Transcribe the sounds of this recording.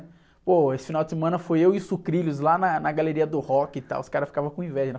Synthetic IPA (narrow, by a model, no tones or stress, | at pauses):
poesɪ̥finawdd͡ʒɪsemɐ̃nɐfojewisukɾilʊzlanɐnɐɡaleɾiɐd̪ʊhɔkɪɪt̪a̰wʊskaɾɐfi̥kavɐ̃kõĩvɛʒɐn